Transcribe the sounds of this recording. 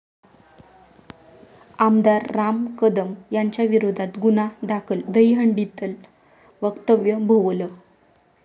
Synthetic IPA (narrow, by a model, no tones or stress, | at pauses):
amd̪aɾːamkəd̪əmjaɲt͡ɕjaʋiɾod̪ʱat̪ɡunad̪akʰəld̪əjɦəɳɖit̪əl | ʋəkt̪əʋjəbʱoʋlə